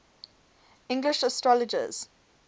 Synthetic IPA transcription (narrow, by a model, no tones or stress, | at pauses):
ɪ̃ŋɡlɪʃəstɹɔlɪd͡ʒə̰z̥